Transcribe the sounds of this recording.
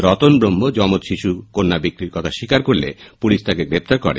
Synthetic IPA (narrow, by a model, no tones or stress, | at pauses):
ɾɔt̪onbɾombod͡ʒɔmot̪ʃiʃukonːabikɾiɾkɔt̪ʰaʃikaɾkoɾlḛpulist̪akeɡɾep̚t̪aɾkɔ̰ɾḛ